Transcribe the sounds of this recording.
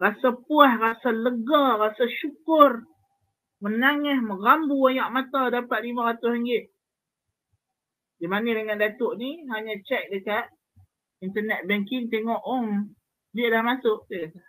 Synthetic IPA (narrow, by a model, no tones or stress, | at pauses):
rasapuahrasaləɡarasaʃukʊr | mənaŋɛhmərambuajaʔmat̪adapat̪̚limaɾat̪ʊsəŋɡɪʔ | dimanidəŋandat̪ʊʔniɦaɲãt͡ʃɛk̚dəkat̪̚ | int̪ənɛt̪̚bɛŋkɪŋt̪eŋɔʔɔŋ | bɪʔlahmasʊʔteʔkat̪a